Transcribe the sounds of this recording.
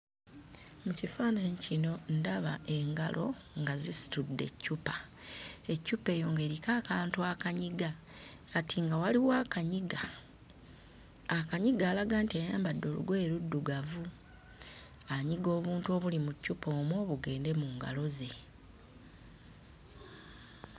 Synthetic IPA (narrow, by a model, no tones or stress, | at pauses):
mucifaːnaɲicino̞ndaβaʔe̞ŋɡalʔo̞̰ | ŋɡazisi̥tudːe̞̰cːupḁ | e̞cːupe̞ːjo̞ːŋɡe̞ːɾikakaːntuakaɲiɡa | katiŋɡawaliwaːkaɲiɡa | kaɲiɡaːlaɡaːntiajaːmbadːoːlṵɡweeɾudːuɡavu | aɲiɡo̞ːβuːntuo̞βulimucːupʰo̞ːmwo̞ːβuɡe̞ːnde̞muːŋɡa̰lo̞ze̞